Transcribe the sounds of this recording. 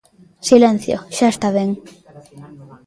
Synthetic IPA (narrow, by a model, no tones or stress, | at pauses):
silẽn̟θjo̰ʃaest̪aβeŋ